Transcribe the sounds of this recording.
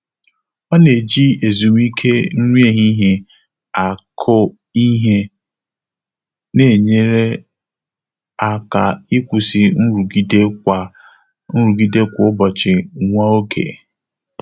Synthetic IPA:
ɔ˦ne˨d͡ʒi˦e˨zu˨m˦i˦kʰe˦n̩˦ŋʷi˦e˦˨ɦi˦ɦe˦ | a˨kʰʊ˦ | i˦ɦe˦ | ne˨ɲe˦ɾe˦ | a˨ka˨i˦kʷu˨si˨n̩˦ɾu˨ɡi˦de˦kʷa˨ | n̩˦ɾu˨ɡi˦de˦kʷʊ˦bɔ˨t͡ʃɪ˨ŋʷa˦o˦kʰḛ˨

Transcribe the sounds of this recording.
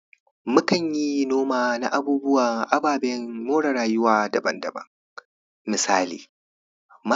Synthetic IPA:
mʊ˦kɐ˨ɲji˦noː˦maː˨na̰˦ʔa˦buː˦bʊ˦waː˨ʔa˦baː˨bɛ˦ŋmoː˦ɽɐ˨ɾaː˨jʊ˦waː˨dɐ˨bɐ̰˦ndɐ̰˨bɐ̰˦ŋ | mɪ˨saː˦lḭː˨ | ma˦

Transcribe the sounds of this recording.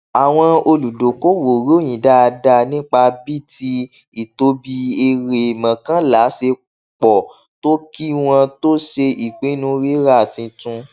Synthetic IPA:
a˨w̃ɔ̃˧o˧lu˨do˨ko˦wo˨ɾo˦˨j̃ĩ˨da˦a˧da˧nĩ˦k͡pa˧bi˦ti˧ | i˨to˧˦bi˧e˧ɾe˨mã˨kã˦la˨˦se˧ | k͡pɔ˨ | to˦ki˦w̃ɔ̃˧to˦ʃe˧i˨k͡pe˨˦nũ˧˦ɾi˦ɾa˦˨tĩ˧tũ˧

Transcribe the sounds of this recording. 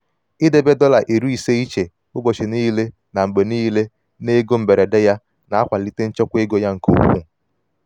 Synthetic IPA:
i˦de˦be˦dɔ˦la˨ʔe˨ɾu˦i˨se˦i˦t͡ʃe˨ | ʊ˦bo˨t͡ʃi˨niː˦le˦ | na˨m̩˨ɡ͡be˨niː˦le˦ | ne˦ɡo˦m̩˨be˨ɾe˨de˦ja˦ | na˨a˦kʷa˨li˦te˦n̩˦t͡ʃɔ˦kʷe˦ɡo˦ja˦ŋ̩˨ko̰˦kṵ˦˨

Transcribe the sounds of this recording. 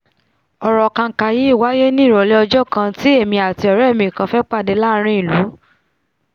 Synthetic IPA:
ɔ˨ɾɔ˨kã˧˨ka˧ji˨˦i˦˨wa˨˦je˦nĩ˦˨ɾɔ˨le˦ɔ˧d͡ʒɔ˦kã˧ti˦e˦˨mĩ˧a˨ti˧ɔ˨ɾɛ˦˨mĩ˧˨kã˧fɛ˦k͡pa˦˨de˧la˦ɾ̃ĩ˦i˦˨lu˨˦

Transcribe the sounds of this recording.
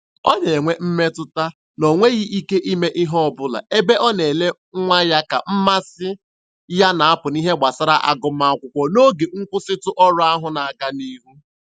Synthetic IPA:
ɔ˦ɲe˨ŋʷe˦m̩˦me˦tʊ˦ta˦ | nɔ˨ŋʷe˦ɣi˦i˦ke˦ʔi˦me˦ʔɪ˦ɦɔ˦˨bʊ˦la̰˨e˦be˦ʔɔ˦ne˨le˦ | ŋʷa˦ja˦ka̰˨m̩˦ma˦sɪ˦ | ja˦na˨a˦pʊ˨ni˦ɦe˦ɡ͡bʷa˨sa˦ɾa˦ʔa̰˦ɡʊ˦ma˦kʷʊ˦kʷɔ˦no˦ɡe˨ŋ̩˦kʷʊ˦sɪ˦tʊ˦ʔɔ˦ɾʊ˦a˦ɦʊ˦na˨a˨ɡa˦ni˦ɦu˦

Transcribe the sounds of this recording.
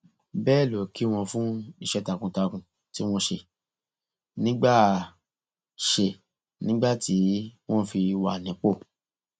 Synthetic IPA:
bɛː˦˨lo˨ki˨˦w̃ɔ̃˧fũ˦i˧ʃɛ˦ta˧kũ˧ta˧kũ˨ | ti˦w̃ɔ̃˦ʃe˧ | nĩ˦ɡ͡ba˦˨ | ʃe˧ | nĩ˦ɡ͡ba˦˨ti˨˦w̃ɔ̃˦fi˧wa˨nĩ˨˦k͡po˦˨

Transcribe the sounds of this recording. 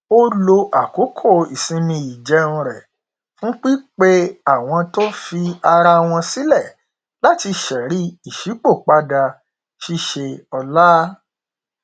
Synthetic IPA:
o˦lo˧ʔa˨ko˨˦kʰo˦˨i˨sĩ˧mĩ˧i˨d͡ʒɛ˨˦ũ˧ɾɛ˨ | fũ˦k͡pi˦k͡pe˦a˦˨w̃ɔ̃˧to˦fi˧a˧ɾa˧w̃ɔ̃˧si˦lɛ˦˨ | la˦˨ti˧ʃɛ˨ɾi˦i˦˨ʃi˨˦k͡po˦˨k͡pa˦da˧ | ʃi˦ʃe˧ɔ˧la˦

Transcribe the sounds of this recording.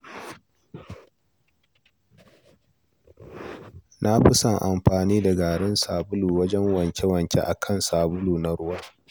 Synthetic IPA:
na˦ɸɪ˦sɐ˦˨ŋʔa˨mɸaː˨niː˦da˨ɡaː˨ɽɪ˦nsaː˨bʊ˦luː˨wɐ˦d͡ʒɛ˦ŋwɐ˨ɲkʲe˦wɐ˨nt͡ʃʲḛ˦ʔa˨kʰɐ˦˨nsaː˨bʊ˦luː˨na˦ɽʊ˦wɐ˦

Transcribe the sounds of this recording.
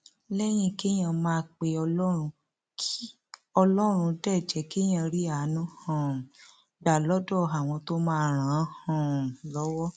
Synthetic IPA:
lɛ˦j̃ĩ˧ke˦j̃ã˧mãː˧k͡pe˧ɔ˧lɔ˦ɾ̃ũ˧ | kʰi˦ | ɔ˧lɔ˦ɾ̃ũ˧dɛ˦˨d͡ʒɛ˨ke˦j̃ã˧ɾi˦a˨˦nũ˦hã˨ | da˨lɔ˦dɔ˦˨a˨w̃ɔ̃˧to˦mãː˦˨ɾ̃ãː˨˦hã˨lɔ˦wɔ˦

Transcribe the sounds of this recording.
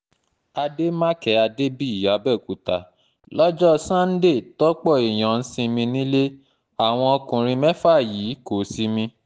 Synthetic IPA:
a˧de˦mã˦kɛ˨˦a˧de˦bi˦˨ja˨˦bɛ˦˨ku˨ta̰˨ | lɔ˦d͡ʒɔ˦sã˦n̩˦de˦˨tɔ˦k͡pɔ˦˨e˨j̃ã˨n̩˦sĩ˧mĩ˧nĩ˦le˦ | a˨w̃ɔ̃˧ɔ˧kũ˨ɾ̃ĩ˧mɛ̃˦fa˦˨ji˨˦ko˨si˦mĩ˧

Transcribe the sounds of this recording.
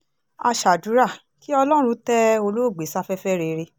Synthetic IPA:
a̰˧ʃa˨du˨˦ɾa˦˨ | ki˦ɔ˧lɔ˦˧ɾ̃ũ˧˦tɛ˦o˧lo˦˨ɡ͡be˨˦sa˦fɛ˦fɛ˦ɾe˧ɾe˧˦

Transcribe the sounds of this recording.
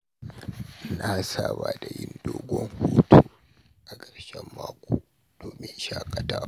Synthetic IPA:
na˦saː˦baː˨da˨jɪ˦ndoː˦ɡʷɔ˦ŋhuː˦tuː˨ | ʔa˨ɡʼɐ˨ɾʃɛ˦mːaː˦kʷoː˨ | d̥oː˨mɪ˦nʃaː˦kʼɐ˨taː˦

